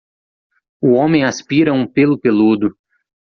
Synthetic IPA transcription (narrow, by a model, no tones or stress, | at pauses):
ʊõmẽj̃aspiɾɐũpelʊpelud̪ʊ